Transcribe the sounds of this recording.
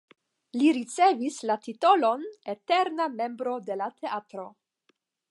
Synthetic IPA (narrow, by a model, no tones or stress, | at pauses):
liɾit͡se̞vislatito̞lo̞nete̞ɾname̞mbɾo̞de̞latʰe̞atɾo̞